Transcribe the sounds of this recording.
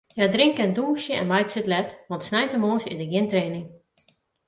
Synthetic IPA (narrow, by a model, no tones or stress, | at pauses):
jadrɪŋkɛnduːsjəɛ̰nmajtsɪtlɛtʋɔntsnɛjtəmoːsɪ̰dəɡjɪntreːnɪŋ